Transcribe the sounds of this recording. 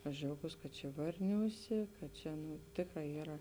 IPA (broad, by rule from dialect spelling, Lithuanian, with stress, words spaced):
ɐʃ d͡ʒʲɛʊˈɡuːs kɐt t͡ʃʲɛ ˈʋɐrʲnʲuːˌsʲeː kɐt ˈt͡ʃʲɛ nʊ ˈtʲeːkˌrɑː ˈiːrɐ